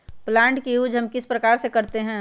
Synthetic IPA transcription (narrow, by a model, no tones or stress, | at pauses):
plãːɳʈkijuːd͡ʒɦɐmkɪspɾɐkaːɾsekɐɾt̪eɦɛ̃ː